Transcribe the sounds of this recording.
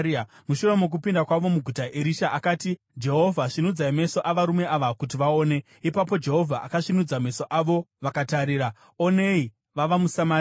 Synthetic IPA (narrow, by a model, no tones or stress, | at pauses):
a | muʃure̞mok̬upindakwaʋo̞muɡʱutaʔeɾiʃaʔakaːti | d͡ʒe̞ɦo̞vʱaʂinud͡zaime̞so̞ʔaʋaɾume̞ʔaʋakut̬iʋaoːne̞ | ipap̬o̞d͡ʒe̞ɦo̞vʱaʔakaʂinud͡zame̞so̞ʔaʋo̞ʋakataɾiːɾa | one̞i | ʋaʋamusama